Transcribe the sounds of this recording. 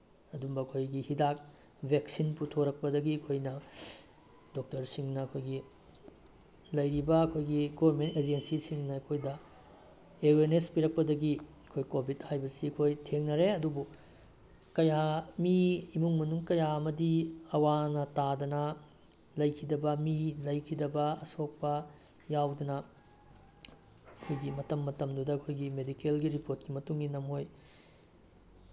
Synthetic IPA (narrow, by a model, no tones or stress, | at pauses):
ɐdumbɐːkʰojɡihidak̚ | bʱeksinputʰoɾɐk̚pɐdɐɡiɐkʰojnɐ | dok̚tɐɾsiŋnɐːkʰojɡi | lɐjɾibɐɐkʰojɡiɡobɐɾmented͡ʒensisiŋnɐɐkʰojdɐ | eweɾnespiɾɐk̚pɐdɐɡiɐkʰojkobʱithajbɐsiɐkʰojtʰeŋnɐɾeɐdubu | kɐjamiimuŋmɐnuŋkɐjaɐmɐdiɐwanɐtadɐnɐ | lɐjkʰidɐbɐmilɐjkʰidɐbɐɐ̰sok̚pɐ | jawdunɐ | ɐkʰojɡimɐtɐmːɐtɐmdudɐɐkʰojɡimedikelɡiɾipoɾt̚kimɐtuŋɡinɐmhoj